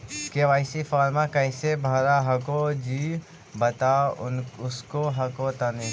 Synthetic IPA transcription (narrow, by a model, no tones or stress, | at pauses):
keːʋaːɪsifaːɾmãkɐɪsebʱaːɾaɦɐkod͡ʒiː | bɐt̪aʊnʊskoɦɐkot̪ɐne